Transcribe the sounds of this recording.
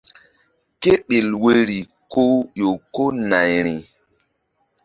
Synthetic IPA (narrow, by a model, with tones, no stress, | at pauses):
ke˦ɓe˨lwe˦ɾi˨ | ko˦jo˨ko˦na˨jɾi˨